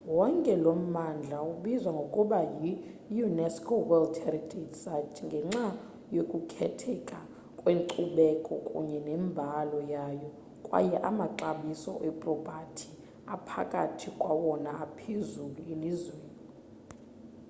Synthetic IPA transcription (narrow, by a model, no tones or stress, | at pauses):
wɔŋkʼɛlom̩mand͡ɮʱauɓizwaŋɡʱokʼuɓajijunɛskʰowɛldhɛritʰedsat͡ʃʰiŋɡʱɛŋ͡ǁa | jokʼukʰɛtʰɛkʼa | kʼweŋǀuɓɛkʼɔkʼṵɲɛnɛmbʱalɔjajɔ | kʼwa̰jɛʔamaǁaɓisɔ̰ʔɛpʼrɔb̥ʱatʰi | apʰa̰kʼatʰikʼwawɔnaapʰezuluelizweːni